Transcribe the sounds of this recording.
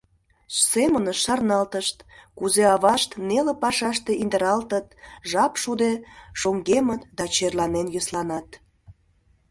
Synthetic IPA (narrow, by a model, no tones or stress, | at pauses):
semənəʃːɑrnɑlt̪əʃt̪kuzeɑβɑʃt̪nelepɑʃɑʃt̪e̽ʔind̪əɾɑlt̪ət̪̚ʒɑpʃud̪eʃoŋɡemət̪d̪ɑt͡ɕerlɑnenjøslɑnɑt̪